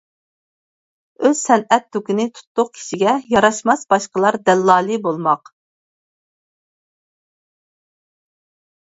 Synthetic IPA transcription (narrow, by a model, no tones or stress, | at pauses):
øz̥sɛnɛt̪ːukʲinɪt̪ʰu̥t̪lˠʊq̚kʲʰi̥ʃiɡʲɛjɑɾɑʃmɑsbɑʃqəlˠɑɾd̪ɛlːɑːlˠɨbolˠmɑq